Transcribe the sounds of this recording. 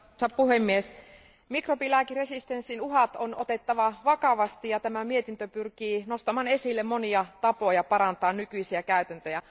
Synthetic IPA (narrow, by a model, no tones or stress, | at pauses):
sɑppuhemːies | mikropilæˑkiresist̪ensːinuɦɑt̪onot̪et̪ːɑʋɑʋɑkɑʋɑst̪ijɑt̪æmæmiet̪int̪øpyrkiːnost̪ɑmɑːnesilːemmoniɑt̪ɑpo̞jɑpɑɾɑnt̪ɑːnnykyisiækæyt̪ænt̪øjæ